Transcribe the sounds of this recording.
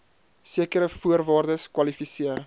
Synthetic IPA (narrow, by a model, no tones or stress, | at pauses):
siəkəɾəfuəɾvɑːrdəskwɐlifisiər